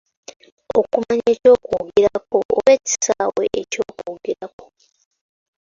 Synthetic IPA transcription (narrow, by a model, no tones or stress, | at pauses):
okumaɲeːco̞ːkuɡiɾako̞ʔo̰βe̞ːci̥sawḛʔeco̞ːkuːɡiɾako̞